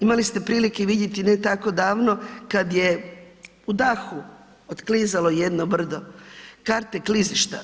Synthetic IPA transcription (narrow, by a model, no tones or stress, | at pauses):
imalist̪e̞pɾiːlikeʋid̪jet̪inet̪ako̞d̪aːʋno̞kad̪je | ud̪axu | ot̪kliːzalo̞jed̪nobr̩d̪okaɾt̪ekliziʃt̪a